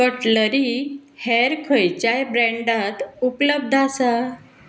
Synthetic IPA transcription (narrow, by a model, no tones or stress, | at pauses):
kəʈləɾihɛɾkʰəjt͡ɕajbɾɛ̃ɳɖat̪upləb̚d̪ʱasa